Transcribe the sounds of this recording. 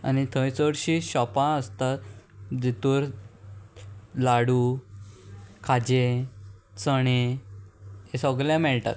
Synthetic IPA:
a̰nit̪ʰəjt͡səɽɕiːɕɔpãəst̪at̪d͡ʑit̪uːɾ | laɽu | kʰad͡ʑe | t͡səɽ̃e | esɔɡljãmɛɭʈa̰t̪

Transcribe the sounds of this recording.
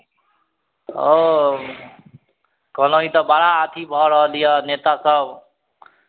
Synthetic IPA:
o | kʌlʌĩt̪ʌbaɽaːt̪ʰibʱʌɾʌlijʌnet̪asʌb

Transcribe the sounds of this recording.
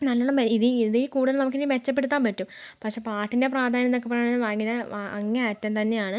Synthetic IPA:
nɐlːɐːɭɐmiðɨiðiːkuːɽuðɐlnɐmukːenimet͡ɕːɐp̬ːeɽut̪ːaːmpɐtːumpɐkʂe̞ːpaːʈːinde̞praːd̪ʱaːnjɐnːokːepːɐrɐjaɨʋaːŋːɡɐnɐaɐ̰ŋːeɐtːɐmt̪ɐnːe̞jaːɳɨ

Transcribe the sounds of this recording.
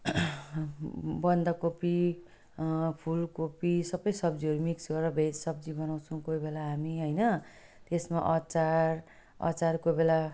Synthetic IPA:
bʌnd̪akopi | pʰulkopisʌbʌjsʌbd͡ziʌɾumiksɡʌɾʌbʱesʌbd͡zibʌnaw̃t͡sʰʌw̃kojbelaɦamiɦʌjnʌ | t̪esmaʔʌt͡sar | ʌ̰t͡saɾkobela

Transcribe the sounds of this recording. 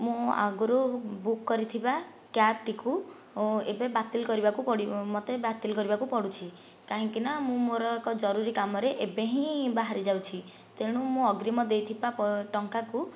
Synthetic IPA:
mũa̰ɡuɾobukːɔɾit̪ʰiba | kjap̚ʈiku | ebebat̪ilkɔɾibakupɔɽimɔt̪ebat̪ilkɔɾibakupɔɽut͡ʃʰi | kaɦĩŋkinamũmoɾɔkɔd͡ʒɔɾuɾikamɔɾeʔebeɦĩbaɦaɾid͡ʒawt͡ʃʰi | t̪eɽ̃ũmũɔɡɾimɔd̪ejt̪ʰibapɔʈɔŋkaku

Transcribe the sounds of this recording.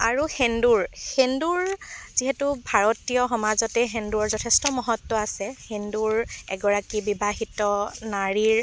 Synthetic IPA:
aɹuxenduɹxenduɹz̥iɦɛtubʱaɹɔtijɔxɔmazɔtɛɦenduɹɔɹzɔtʰestɔmɔɦɔtːɔasɛhenduɹɛ̰ɡɔɹakibibaɦitɔnaɹiɹ

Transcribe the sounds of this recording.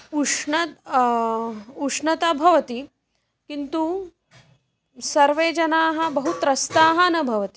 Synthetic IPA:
uʂɳɐt̪ | uʂnɐt̪ɐbʱɐʋɐt̪i | kint̪u | sɐɾʋeːd͡ʒɐnaːɦɐ̆bɐɦut̪ɾɐst̪aːɦɐnɐbʱɐʋɐt̪i

